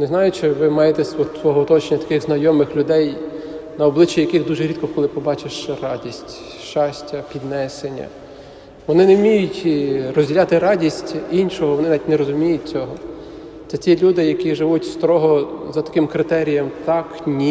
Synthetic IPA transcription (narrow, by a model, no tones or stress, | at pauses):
nɛznɑjʊt͡ʃɪʋɪmɑjet̪ɛsɔt̪ʋɔɦɔʊt̪ɔt͡ʃenʲːɐt̪ɐ̥kɪxznɐjɔmɪxlʲʊd̪ɛjnɐɔblˠɪt͡ʃːijɐkɪxd̪uʒɛɾʲit̪kɔkɔlˠɪpɔbɑt͡ʃeʃrɑdʲisʲtʲ | ʃt͡ʃɑsʲtʲɐpʲid̪nɛsenʲːɐ̰ | ʋɔnɪnemʲijʊtʲrɔzʲdʲilʲɑt̪ɪɾɑdʲisʲtʲinʲʃɔɦɔʋɔnɪnɐʋʲit̪ʲnɛɾɔzʊmʲijʊt̚ʲt͡sʲɔɦɔ | t̪sɛtʲilʲud̪ɪjɐkiʒɪʋutʲst̪ɾɔɦɔzɐt̪ɐ̥kɪmkɾɪt̪ɛɾʲijɐmt̪ɑknʲi